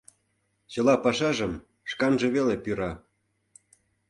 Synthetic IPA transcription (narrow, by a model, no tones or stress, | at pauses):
t͡ɕə̆lɑpɑʃɑʒə̆m | ʃkɑnʒĕβelepyɾɑ